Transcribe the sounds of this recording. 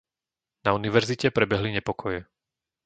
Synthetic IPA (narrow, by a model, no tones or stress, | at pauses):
nauniʋɛɾzicɛpɾɛbɛɦliɲɛpɔkʰɔjɛ